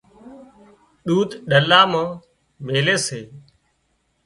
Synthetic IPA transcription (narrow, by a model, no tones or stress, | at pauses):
ɗuːt̪ɗəlaːmãː | meːleːseː